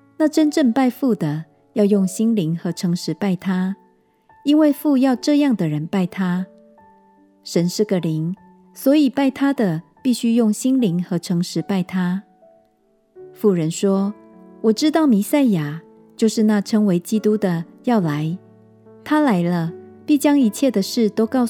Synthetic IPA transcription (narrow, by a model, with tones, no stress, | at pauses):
na˥˨ʈ͡ʂə˦nʈ͡ʂə˥˧ŋpa˥˧ɪfu˥˩d̪ə˩ | jɑ˥˧ʊjʊ˥˩ŋɕi˥nli˧˥ŋxɤ˧˥ʈ͡ʂʰɤ˧˥ŋʂɻ̩˧˦pa˥˩ɪt̪ʰa˦ | i˥nwe˥˧ɪfu˥˧jɑ˥˧ʊʈ͡ʂɤ˥˧jɑ˥˨˩ŋd̪ə˩ɻə˨˦npa˥˩ɪt̪ʰa˥˦ | ʂə˨˦nʂɻ̩˥˩ɡə˨li˧˥ŋ | swɔ˨˧˥i˨˩pa˥˩ɪt̪ʰa˥d̪ə˨pi˥˩ɕy˥jʊ˥˩ŋɕi˥nli˧˥ŋxɤ˧˥ʈ͡ʂʰɤ˧˥ŋʂɻ̩˧˦pa˥˩ɪt̪ʰa˥ | fu˥˩ɻə˧˦nʂwɔ˥ | wɔ˨˩ʈ͡ʂɻ̩˦t̪ɑ˥˩ʊmi˧˥sa˥˩ɪja˨˩ | t͡ɕjo˥˧ʊʂɻ̩˥˧na˥˨ʈ͡ʂʰɤ˥ŋwe˧˥ɪt͡ɕi˦˥t̪u˦d̪ə˨jɑ˥˩ʊla˧˦ɪ | t̪ʰa˥la˧˥ɪlə˧pi˥˩t͡ɕjɑ˥ŋi˧˥t͡ɕʰjɛ˥˩d̪ə˨ʂɻ̩˥˩t̪o˥ʊkɑ˥˧ʊ